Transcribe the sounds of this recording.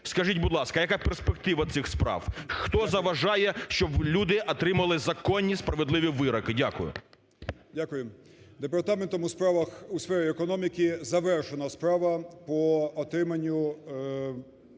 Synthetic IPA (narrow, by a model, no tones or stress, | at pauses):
skɐʒitʲbʊd̪lˠɑskɐjɐkaperspekt̪ɪʋɐt̪sɪxspɾɑ̰wxt̪ɔzɐʋɐʒɑjɛʃt͡ʃɔblʲud̪ɪʔɔt̪ɾɪmɐlˠɪzɐkɔnʲːispɾɐʋed̪lˠɪʋʲiʋɪɾɐkɪdʲakʊjʊ̰ | dʲakʊjem | d̪epɐrt̪ament̪ɔmʊspɾaʋɐxusfɛɾʲɪɛkɔnɔmʲikʲizɐʋɛrʃenɐspɾaʋɐpɔɔt̪ɾɪmɐnʲːʊ